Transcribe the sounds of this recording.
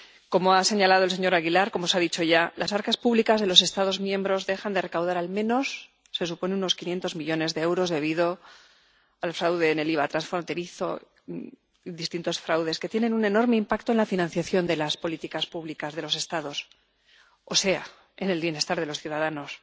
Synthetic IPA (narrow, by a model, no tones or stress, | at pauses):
ko̞moase̞ɲalað̞ols̬e̞ɲo̞ɾaɣilaɾko̞mo̞saðit͡ʃo̞ʝalasaɾkaspuβlikazð̞e̞lo̞s̬e̞st̪aðo̞zmjẽ̞mbɾo̞zðe̞xand̪e̞re̞kawðaɾalmẽ̞no̞sː | e̞supo̞nenuno̞skinje̞nt̪o̞zmiʎo̞ne̞zðe̞ewɾo̞zðe̞βiðo̞ | alfɾawð̞e̞ːne̞liβ̞at̪ɾansfɾo̞nt̪e̞ɾiθo̞̰ | iðist̪int̪o̞sfɾawðe̞ske̞t̪jene̞nune̞no̞ɾme̞impakt̪o̞e̞nlafinãnθjaθjo̞nd̪e̞laspo̞lit̪ikaspuβlikazðe̞lo̞se̞st̪aðo̞s | o̞se̞a̰ | e̞ne̞lβje̞ne̞st̪aɾðe̞lo̞sθjuðaðano̞s